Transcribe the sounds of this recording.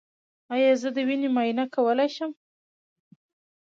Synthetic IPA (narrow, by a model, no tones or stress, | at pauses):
ɑjɑzəd̪əwinemɑjinakawəlajʃəm